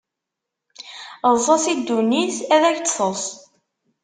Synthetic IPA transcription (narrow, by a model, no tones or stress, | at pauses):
zˤɑsid̪uniθæðæçt͡s̪sˤəs